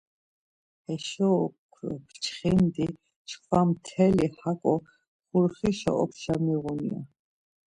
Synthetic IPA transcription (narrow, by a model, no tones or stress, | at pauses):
ɛʃɔkʰpt͡ʃʰχind̪i | t͡ʃʰχʰvamt̪ʰɛlihakʼɔ | χuɾχiʃɔ̰ʔɔ̰pʰʃamiʁunia